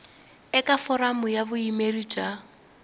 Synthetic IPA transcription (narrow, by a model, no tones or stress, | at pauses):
ɛkʼafɔɾamʊjabʊimerit͡ʃʼa